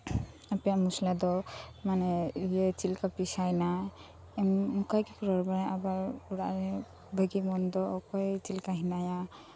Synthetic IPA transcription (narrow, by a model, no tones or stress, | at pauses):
apijamuslad̪ɔmanɛijet͡ʃilkapisajna | ɛmmukajkɛpʰɔɾɔɾbaɾaʔabaɾuɾa̰ʔɾɛ | bʱəɡimɔnd̪ɔːkɔjt͡ʃilkaɦinaja